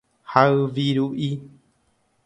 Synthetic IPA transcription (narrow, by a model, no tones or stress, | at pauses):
haɨʋiɾuʔi